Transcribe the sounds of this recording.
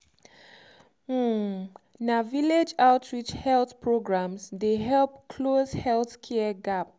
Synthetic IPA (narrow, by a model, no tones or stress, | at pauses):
naviled͡ʒaʊtʰɹit͡ʃhɛlθpʰɹoɡɹãmzdeɦɛlp̚kʰlozhɛlθkʰɛəɡap̚